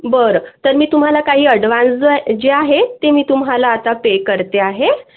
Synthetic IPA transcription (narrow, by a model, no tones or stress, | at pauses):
bəɾət̪əɾmiːt̪um̤alakaɦiːəɽʋãnt͡sd͡zəd͡ʑeaɦet̪emiːt̪umɦalaːt̪apekəɾt̪eaɦe